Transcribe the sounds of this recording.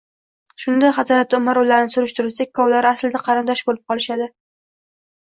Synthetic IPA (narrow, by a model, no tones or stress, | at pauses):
ʃʊnd̪ajχɑsɒɾat̪ːaʊmaɾʊlːaɾɪnɪsʊɾɪʃt̪ɪɾɪlsak̚ʲkʰːɒwlaɾasld̪aqʰɑɾɪnd̪ɒʃbolɪp̚qʰɒlˠɪʃad̪ɪ